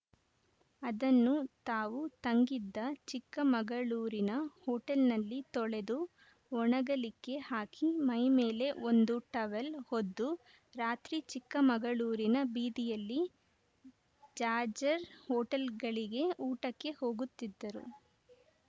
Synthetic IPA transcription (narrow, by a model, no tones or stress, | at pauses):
ɐd̪ɐnːut̪aːʋut̪ɐŋɡid̪ːɐt͡ʃikːɐmɐɡɐɭuːɾinɐhɔːʈɐlnɐlːit̪ɔɭe̞d̪u | ɔɳɐɡɐlikːe̞haːkʰimɐjme̞ːle̞ʔond̪uʈɐʋɐlhod̪ːu | ɾaːt̪ɾit͡ʃikːɐmɐɡɐɭuːɾinɐbiːd̪ijɐlːi | d͡ʒaːd͡ʒɐɾhɔːʈɐlɡɐɭiɡe̞uːʈɐkːe̞ho̞ːɡut̪ːid̪ːɐɾṵ